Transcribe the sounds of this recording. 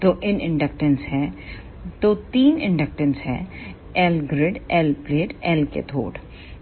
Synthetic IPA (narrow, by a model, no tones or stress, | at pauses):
t̪oːʔɪnɪ̃ɳɖək̚ʈənsɦɛː | t̪oːt̪iːnɪ̰̃ɳɖək̚ʈənsɦɛ̰̃ː | ɛlɡɾɪɖɛːlpleːʈɛːlkḛt̪ʰo̰ːɖ